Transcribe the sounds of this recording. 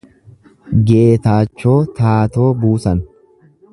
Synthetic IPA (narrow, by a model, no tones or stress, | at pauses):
ɡeːt̪aːt͡ʃːo̞ːt̪aːt̪o̞ːbuːsɐn